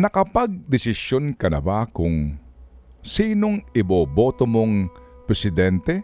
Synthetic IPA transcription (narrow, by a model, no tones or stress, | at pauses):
nɐkɐpaɡ̚d̪ɪsɪsjonkɐnɐ̰bakʊŋ | siːnoŋɪbobot̪omoŋpɾɛsɪd̪ɛnt̪ɛ